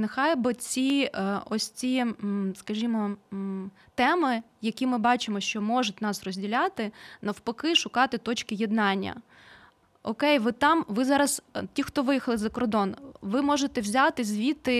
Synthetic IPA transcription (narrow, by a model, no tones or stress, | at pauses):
nɪxɑjbɪt͡sʲiɔsʲt͡sʲiskɐʒʲimɔ | t̪ɛmɪ | jɐkʲimɪbɑt͡ʃɪmɔʃt͡ʃɔmɔʒʊtʲnɑsrɔzʲdʲilʲat̪ɪnɐwpɔkɪʃʊkɑt̪ɪt̪ɔt͡ʃkɪjɛd̪nɑnʲːɐ̰ | ɔkɛjʋɪt̪ɑmʋɪzɑɾɐstʲixt̪ɔʋɪjixɐlˠɪzɐkɔrd̪ɔnʋɪmɔʒet̪ɛwzʲat̪ɪzʲʋʲit̪ɪ